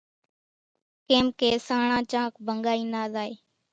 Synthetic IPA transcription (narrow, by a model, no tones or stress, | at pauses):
keːmkeːsaːɳãːt͡ʃãːkʰbʱəŋɠaːiːnaːzaːeː